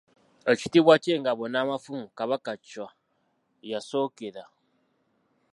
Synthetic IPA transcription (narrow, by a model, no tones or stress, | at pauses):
ət͡ʃitibwat͡ʃeŋ̩ɡabɔnamafumkaβakat͡ʃa | jasɔkeda